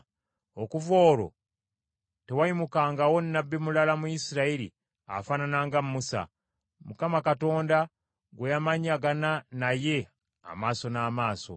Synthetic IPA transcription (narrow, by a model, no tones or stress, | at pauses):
okuvo̞ːɾo̞̰ | te̞waimukaŋɡawo̞nːabːimulalamujisiɾailḭ | a̰faːnanaːŋɡamːusa̰ | mukamakato̞ːnda | ɡwejamaɲaɡananaje̞ | a̰maːso̞naːmaːso̞̰